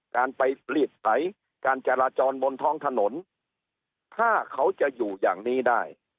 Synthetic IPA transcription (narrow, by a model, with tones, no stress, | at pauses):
kaː˧npa˧jli˨˩t̪̚sa˦˥j | kaː˧nt͡ɕa˧laː˧t͡ɕɔː˧nbo˧nt̪ʰɔː˦˥˩ŋt̪ʰa˧no˩˦n | t̪ʰaː˥˩kʰa˦˥wt͡ɕa˨˩juː˨˩ja̰ː˨˩ŋniː˦˥daː˥˩j